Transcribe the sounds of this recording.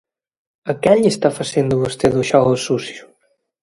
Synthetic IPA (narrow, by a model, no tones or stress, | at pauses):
əkɛʎest̪afəsend̪uβəst̪eðuʃɔosusju